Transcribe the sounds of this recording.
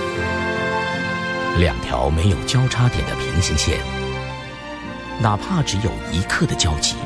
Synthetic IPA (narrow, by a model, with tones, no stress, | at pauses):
ljɑ̰˨˩ŋt̪ʰjɑ̰˧˥ʊme˧˥ɪjo˨˩ʊt͡ɕjɑ˥ʊʈ͡ʂʰa˥t̪jɛ˨˩nd̪ə̰˦pʰi˧˥ŋɕi˧˥ŋɕjɛ̰˥˩n | na˨˩pʰa˥˩ʈ͡ʂɻ̩˧˥jo˨˩ʊi˧˥kʰɤ˥˩d̪ə˩t͡ɕjɑ˥ʊt͡ɕḭ˧˩˦